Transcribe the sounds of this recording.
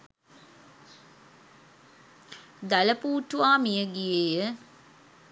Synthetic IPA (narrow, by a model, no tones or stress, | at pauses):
d̪æləpuːʈuʋaːmijəɡijejə